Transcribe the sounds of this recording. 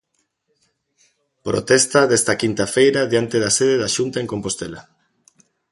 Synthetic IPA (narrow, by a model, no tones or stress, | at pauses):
pɾo̰t̪ɛst̪aðest̪ɐkint̪afejɾaðjant̪eðaseðeðaʃunt̪aeŋkompost̪ela